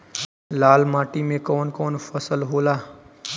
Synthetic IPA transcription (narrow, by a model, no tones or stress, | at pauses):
laːlmaːʈimẽkoːnkoːnfʰəsəlɦolaː